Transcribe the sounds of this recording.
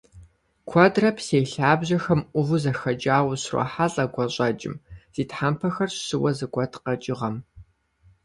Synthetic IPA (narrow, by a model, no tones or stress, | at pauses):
kʷʰɔdrɐpʰseːjɬaːbʑɐxɐmʔʷʊvuzɐxɐd͡ʒaːwɕrɔ̰ħaɮʼɐɡʷɔɕʼɐd͡ʒʼɪ̰mz̥iːtħampʰɐxɐrɕɕɨwɐzɨɡʷɔtʰqɐt͡ʃʼɪʁɐm